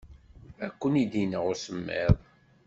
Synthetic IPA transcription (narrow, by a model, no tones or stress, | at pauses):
ækʷːənid̪inəʁʊsəmːɪ̰ðˤ